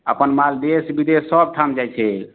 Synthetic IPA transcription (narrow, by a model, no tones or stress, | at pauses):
əpənmald̪esbid̪esəb̚ʈʰamd͡ʒajt͡ʃʰɛ